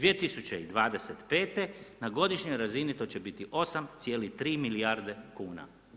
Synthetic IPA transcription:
d̪ʋijet̪isut͡ɕeid̪ʋaːd̪e̞set̪pe̞ːt̪e̞naɡo̞d̪iʃɲojɾazinit̪o̞t͡ɕe̞bit̪iʔo̞samt̪sʲje̞ːlit̪ɾiːmiliaɾd̪e̞kuːna̰

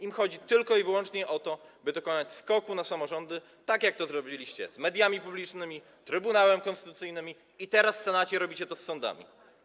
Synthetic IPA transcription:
imxɔd͡ʑit̪ɘlkɔivɘwɔnt͡ʂɲɛʔɔt̪ɔbɘd̪ɔkɔnat͡ɕskɔkunasamɔʐɔnd̪ɘ | t̪akjak̚t̪ɔzɾɔbʲilʲiɕt͡ɕɛ̰zmɛd̪ʲjamʲipublʲit͡ʂnɘmʲi | t̪ɾɘbunawɛmkɔnst̪ɘt̪ut̪sɘjnɘmʲi | it̪ɛɾasfsɛnat͡ɕɛɾɔbʲit͡ɕɛt̪ɔsːɔnd̪a̰mʲḭ

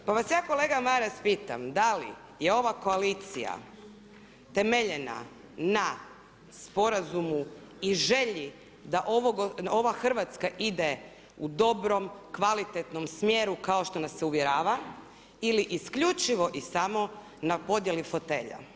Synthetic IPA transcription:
paʋasjaːko̞le̞ɡamaɾaspiːt̪a̰md̪alḭ | je̞o̞ʋako̞aliːt̪sḭja̰ | t̪emeʎena̰ | na | spo̞ɾazumu | iʒeʎi | d̪aʔoʋoɡo̞ʋaxr̩ʋat̪skaʔid̪e | ud̪o̞bɾo̞mkʋalit̪et̪no̞msmjeːɾukao̞ʃt̪o̞nasːeuʋjeɾaːʋa | iliʔiskʎut͡ʃiʋo̞ʔisamo̞ | napo̞d̪jelifo̞t̪e̞ːʎa̰

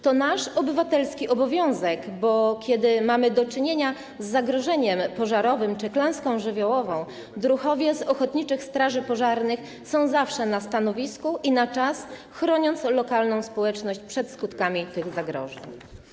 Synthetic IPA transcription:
t̪ɔnaʂɔbɘvat̪ɛlskʲiʔɔbɔvʲjɔ̃w̃zɛkbɔkʲɛd̪ɘmamɘd̪ɔt͡ʂɘɲeɲa | zːaɡɾɔʐɛɲɛmpɔʐaɾɔvɘmt͡ʂɘklɛ̃w̃skɔ̃w̃ʐɘvʲjɔwɔvɔ̃w̃ | d̪ɾuxɔvʲjɛzɔxɔt̪ɲit͡ʂɘxst̪ɾaʐɘpɔʐaɾnɘx | sɔ̃w̃zafʂɛnast̪anɔvʲiskuʔinat͡ʂasxɾɔɲɔnt̪slɔkalnɔ̃w̃spɔwɛt͡ʂnɔɕt͡ɕpʂɛt̪skut̪kamʲit̪ɘɣzaɡɾɔ̰ʐɛ̰ɲ

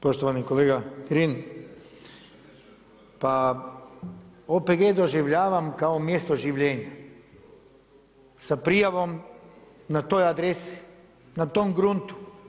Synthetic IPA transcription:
poʃt̪oʋanikoleɡat̪ɾin | pa | opeɡed̪oʒiʋʎʲaːʋamkaomjest̪oʒiʋʎʲeːɲa | sapɾijaʋom | nat̪ojad̪ɾesi̥ | nat̪omɡɾunt̪u̥

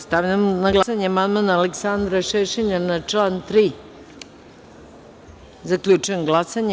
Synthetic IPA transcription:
st̪aʋʎamonaɡlˠasaɲeamand̪manaːleksand̪ɾaʃeʃeɲanat͡ʃlant̪ɾiː | zakʎʲut͡ʃuemɡlˠasaɲ

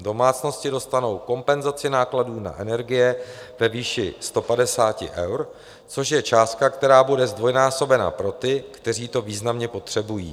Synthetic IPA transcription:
do̞maːt͡sno̞scɪdo̞st̪ano̞wko̞mpɛnzat͡sɪnaːkladuːna̰ʔɛnɛɾɡɪjɛ | vɛviːʃɪst̪o̞padɛsaːcɪ̰ʔɛwɾ | t͡so̞ʃjɛt͡ʃaːst̪̚kakt̪ɛɾaːbudɛzdvo̞jnaːso̞bɛna̰pɾo̞t̪ɪkt̪ɛr̝iːt̪o̞viːznamɲɛpo̞t̪r̥ɛbujḭː

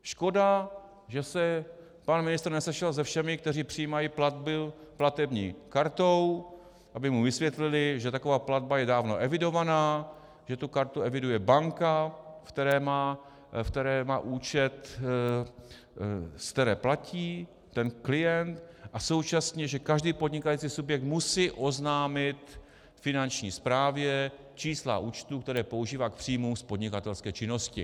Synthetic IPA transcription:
ʃko̞da | ʒɛsɛ | panmɪnɪst̪ɾnɛsɛʃɛlzɛfʃɛmɪkt̪ɛriːpr̝̥ɪjiːmajiplad̪̚bɪplat̪ɛbɲḭːkaɾt̪o̞w | ʔabɪmuvɪsvjɛt̪lɪlɪʒɛt̪ako̞vaːplad̪̚bajɛdaːvno̞ʔɛvɪdo̞vanaː | ʒɛt̪ukaɾt̪uɛvɪdujɛbaŋkafkt̪ɛɾɛːmaː | ft̪ɛɾɛːmaːʔuːt͡ʃɛt̪ | skt̪ɛɾɛːplaciː | t̪ɛnklɪjɛnt̪ʔaso̞wt͡ʃasɲɛʒɛkaʒdiːpodɲɪkajit͡sisubjɛk̚t̪musiːʔo̞znaːmɪt̪ | fɪnant͡ʃɲiːspɾaːvjɛ | t͡ʃiːsla̰ʔuːt͡ʃt̪uːkt̪ɛɾɛːpo̞uʒiːvaːk̚pr̝̥ijmumspo̞dɲɪkat̪ɛlskɛːt͡ʃɪno̞scɪ

